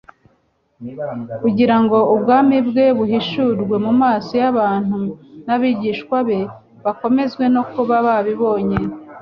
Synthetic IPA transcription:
kuɟiɾaŋɡo̞ubɡaːmibɡe̞βuɦiʃuɾɡwe̞mumaːsijaβaːn̥hunaβiɟiːʃkwaβe̞ | βako̞me̞zɡwe̞no̞kuβaβaβiβo̞ːɲe

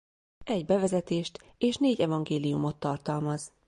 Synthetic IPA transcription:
ɛɟbɛvɛzɛt̪eːʃt̪ | eːʃneːɟɛvɒŋɡeːlijumo̞t̪ːɒrt̪ɒlmɒz

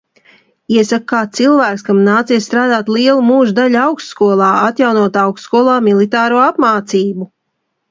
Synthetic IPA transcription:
iɛsakkːaːt̪silˠvæːkskamnaːt̪siɛsst̪ɾaːd̪aːt̪liɛlˠumuːʒd̪aʎawkst̪skuɔlˠɑːat̪jawnuɔt̪awkst̪skuɔlˠaːmilˠit̪aːɾuɔapmaːt̪siːbu

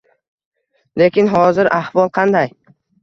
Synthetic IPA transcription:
lekʲʰɪnɦɒzɪɾʔahvɒlˠqʰɑnd̪aj

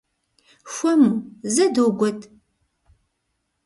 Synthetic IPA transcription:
xʷɔmuːzɐdowɡʷɔtʰʼ

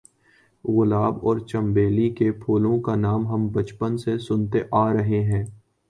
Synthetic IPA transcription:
ɣʊlaːbɔːɾt͡ʃɐ̃mbeːlikepʰoːlõkanaːmɦɐmbɐt͡ʃpənsesʊnt̪eʔaːɾɐɦeɦɛ̃ː

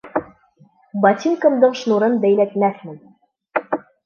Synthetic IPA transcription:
bɑt̪ʲiŋkɤ̆md̪ɤɴʃnuɾɤnbæjlæt̪mæθmɘ̆n

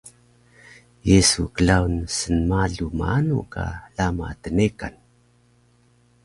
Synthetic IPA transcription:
jesukəɮaunsənmaɮumaanṵka̰lama̰təneka̰n

